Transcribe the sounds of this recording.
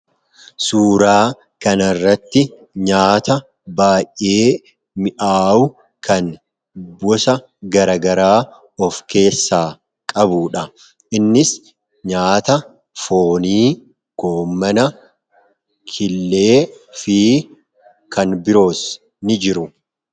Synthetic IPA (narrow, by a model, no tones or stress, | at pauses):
suːɾaː | kɐnɐrːɐt̪ːɪ | ɲaːt̪ɐ | baːjʔʔe̞ː | mɪʔaːʊ | kʰɐn | bɔsɐ | ɡɐɾɐɡɐɾaː | ɔfke̞ːsːaː | kʼɐbuːᶑɐ | ʔɪnːɪs | ɲaːt̪ɐ | fo̞ːniː | ɡ̥o̞ːmːɐnɐ | kʰɪlːe̞ːfiː | kɐnbɪɾo̞ːs | nɪd͡ʒɪɾʊ